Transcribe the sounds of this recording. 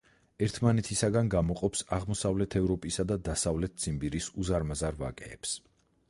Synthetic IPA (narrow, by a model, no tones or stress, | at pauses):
ɛɾt̪ʰmanɛt̪ʰisaɡanɡamɔqʼɔpsaʁmɔsavlɛt̪ʰɛvɾɔpʼisad̪ad̪asavlɛt̪̚ʰd̪sʰʼimbiɾisuzaɾmazaɾva̰kʼɛ̰ːps